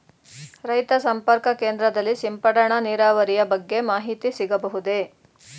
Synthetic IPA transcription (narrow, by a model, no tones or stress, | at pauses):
ɾɐjt̪ɐsɐmpɐɾkɐkeːnd̪ɾɐd̪ɐlːisimpɐɽɐɳɐniːɾaːʋɐɾijɐbɐɡːe̞maːɦit̪isiɡɐbɐɦud̪e